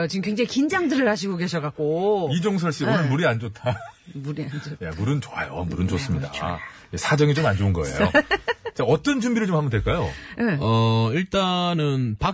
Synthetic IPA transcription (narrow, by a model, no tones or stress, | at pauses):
t͡ɕimkɥeŋd͡ʑeikind͡ʑaŋdɯɾɯɭhaɕ̬ʰiɡoke̞ɕʰʌkak̚k͈oid͡ʑoŋs̬ʰʌɭɕ͈ionɯnmuɾiand͡ʑotʰamuɾiand͡ʑojamuɾɯnt͡ɕoajo̰muɾɯnd͡ʑos͈ɯmɲida | jesʰad͡ʑʌŋit͡ɕomand͡ʑounɡʌḛj̰ | t͡ɕaʌt͈ʌnd͡ʑumbiɾɯɭt͡ɕomhambʌndweɭk͈ajo̰jeʌiɭt͈anɯnpa